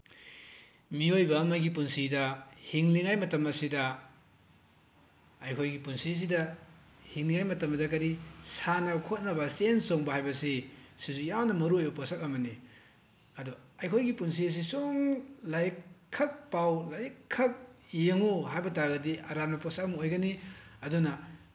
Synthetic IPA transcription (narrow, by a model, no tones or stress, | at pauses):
miojbɐːmɐɡipunsidɐhiŋliŋajmɐtɐmɐsidɐ | ɐjkʰojɡipunsiɐs̬idɐ | hiŋliŋajmɐtɐmɐdɐkɐɾisanɐkʰot̚nɐbɐsensoŋbɐhajbɐsisizujawnɐmɐɾuojoposɐk̚ɐmɐni | ɐdɔɐjkʰojɡipuns̬iɐs̬isuŋlajkʰɐk̚pawlajkʰːɐk̚jeŋuɦajbɐtaɾɡɐdiʔɐɾamnɐposɐk̚ɐmojɡɐniɐdunɐ